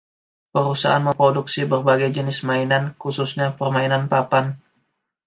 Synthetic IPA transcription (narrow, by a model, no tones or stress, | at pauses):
pəɾusa̰ʔa̰nməmpɾoduksibərbaɡajd͡ʒənɪsmainankususɲapərmainanpapan